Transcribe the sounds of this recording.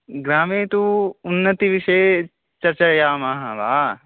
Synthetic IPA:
ɡɾaːmẽːt̪uʊnːət̪iʋɪʃeː | t͡ʃɐɾt͡ʃajaːmaːɦãːʋa̰ː

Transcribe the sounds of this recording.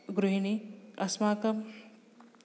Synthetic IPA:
ɡɾuɦiniɐsmaːkɐm

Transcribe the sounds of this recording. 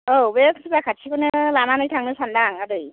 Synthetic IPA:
obekʰsʰɯbakʰasʰikɯnɯlananɯjtʰaŋnɯsʰandaŋadɯj

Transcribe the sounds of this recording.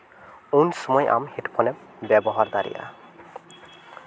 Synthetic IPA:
ownsɔmɔjʔa̰mhetpʰɔnɛ | bɛbɔɦaɹd̪aɹḭja̰

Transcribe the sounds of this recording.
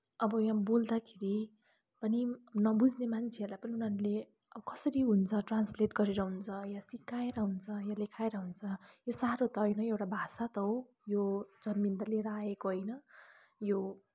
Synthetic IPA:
ʌbʌjãbold̪akʰeɾi | pʌninʌbud͡znemant͡sʰeʌrlajpʌniunaɾule | ʌbʌkʌsʌɾiɦunt͡sʰʌʈransleʈɡʌɾeɾʌɦunt͡sʰʌjasikːaeɾʌɦunt͡sʰʌjalekʰaeɾʌɦunt͡sʰʌjosaɾot̪ʌɦʌjnʌewʈabʱasat̪ʌɦo | jod͡zʌnmint̪ʌleɾʌaekoɦʌjnʌ | jo

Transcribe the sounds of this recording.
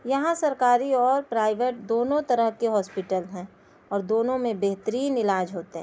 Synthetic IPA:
jɐɦãsɐɾkaːɾiɔːɾpɾaːɪʋeʈ̚d̪oːnõt̪ɐɾəɦkeɦɔːspɪʈəlɦɛ̃ | ɔːɾd̪oːnõmẽbeɦt̪əɾiːnɪlaːd͡ʒɦoːt̪eɦɛ̃

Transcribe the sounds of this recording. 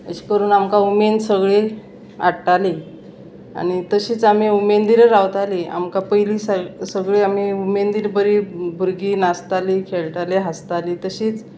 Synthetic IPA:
ə̰ɕi̥kəɾuːnamkaumensəɡɭe | a̰ɽʈali | a̰ɽ̃it̪əɕiːt͡sam̤iumend̪iɾɾawt̪alia̰mkapəjliːsasəɡɭeam̤iumend̪iːɾbəɾiːbʱuɾɡiːnast̪alikʰeɭʈaleɦast̪aliːt̪əɕiːt͡s

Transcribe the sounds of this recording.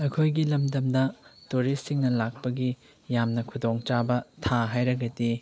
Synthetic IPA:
ɐkʰojɡilɐmdɐmdɐtuɾisːiŋnɐlak̚pɐɡi | jamnɐkʰudoŋt͡ʃabɐtʰaɦajɾɐɡɐdi

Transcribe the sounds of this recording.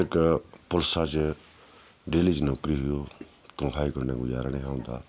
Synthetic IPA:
ɪkpʊlsat͡ʃ | ɖeːliːd͡ʒneːʊkɾiːɦʊjoː | t̪õːɦʰaːikəɾneːɡʊd͡ʒa̰ːɾaːneːɦãːʊ̃nd̪a̰ː

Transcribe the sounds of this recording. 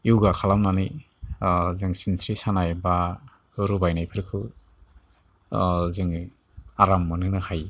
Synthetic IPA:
iwɡakʰalamnani | zɯŋsinsɾisanajba | ɾubajnajpʰɯɾkʰɯ | zɯŋ | aɾamːɯnɯŋnɯhaj

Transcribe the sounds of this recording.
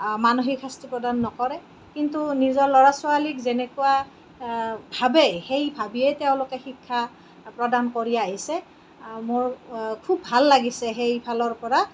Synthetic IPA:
manoɦikʰastipɹɔdanːɔkɔɹɛ | kintunizɔɹlɔɹasʊwalikzɛnɛkʊwa | bʱabɛxejbʱabiɛtɛʊ̃lʊkɛxikʰːa | pɹɔdankoɹiaɦisɛ | mʊɹkʰubʱalːaɡisɛxejbʱalɔɹpɔɹa

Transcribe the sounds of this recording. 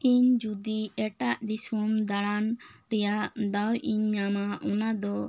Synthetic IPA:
iɲd͡ʒud̪iɛʈaʔd̪isumd̪aɽanɾɛjaʔd̪awʔiɲːamaʔɔnad̪ɔ

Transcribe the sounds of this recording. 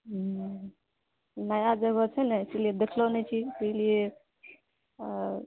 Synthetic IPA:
najad͡ʒəɡɔt͡ʃʰɛnɛsilied̪ekʰlonɛt͡ʃʰit̪əlie

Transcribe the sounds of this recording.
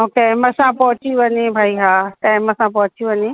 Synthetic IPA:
oːkeməsãpɔɦʊt͡ɕiʋɐɲebʱaːiɦaːt̪ãːɦɪ̃mə̃sãpɐɦʊ̃t͡ɕijũʋɐɲe

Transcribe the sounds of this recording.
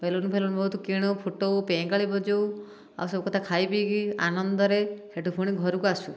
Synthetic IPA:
pelonupʰelonubɔɦut̪ɔkiɽ̃ɔpʰoʈowpẽkaɭibɔd͡ʒow | a̰wsɔbɔkɔt̪ʰakʰajbiɡia̰nɔnd̪ɔɾeheʈupʰuɽ̃iɡʱɔɾukuasu

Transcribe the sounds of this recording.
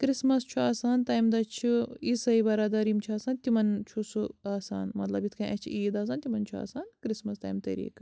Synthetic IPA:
kɾismɐst͡ʃʰuaːsaːnt̪aːjmd̪ɐt͡ʃʰiisɐibɐɾaːd̪ɐɾimt͡ʃʰaːsaːnt̪imɐnt͡ʃʰusuaːsa̰ːnmɐt̪lɐbit̪ʰkʰɐʔɐt͡ʃʰḭʔiːd̪aːs̬aːnt̪ʲimɐnt͡ʃʰua̰ːsaːnkɾismɐst̪a̰ːjmt̪ɐ̰ɾḭːk

